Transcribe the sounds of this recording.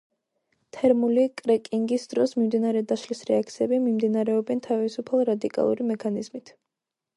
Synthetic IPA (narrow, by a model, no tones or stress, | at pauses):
t̪ʰɛɾmulikʼɾɛkʼiŋɡisd̪̥ɾɔsmimd̪inaɾɛd̪aʃlisɾɛak̚t̪sʰiɛbimimd̪inaɾɛɔbɛnt̪ʰavisupʰalˠɾad̪ikʼa̰lˠṵɾimɛkʰanizmit̪ʰ